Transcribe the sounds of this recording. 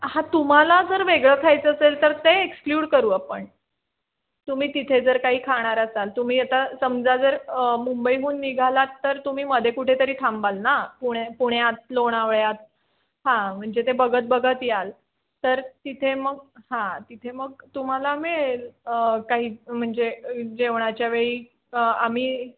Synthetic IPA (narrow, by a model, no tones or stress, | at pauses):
hãt̪um̤alad͡zəɾʋeɡɭəːkʰajt͡səəselt̪əɾt̪eekskljuːɽkəɾuːapəɳ | t̪um̤iːt̪it̪ʰed͡zəɾkaɦiːkʰaɽ̃aɾəsalt̪um̤iːjət̪asəmd͡zad͡zəɾmumbəiɦuːnːiɡʱalat̪ːəɾt̪um̤iːməd̪ʱekuʈʰet̪əɾiːt̪ʰambalnapuɽepuɳ̃jat̪̚loɽ̃aʋɭjat̪̚ | hãm̤əɳd͡zet̪ebəɡʱət̪̚bəɡʱət̪jal | t̪əɾt̪it̪ʰeməɡhãt̪it̪ʰeməɡt̪um̤alameɭelkaɦiːm̤əɳd͡zed͡ʑeʋɳ̃at͡ɕjaʋeɭiː | am̤iː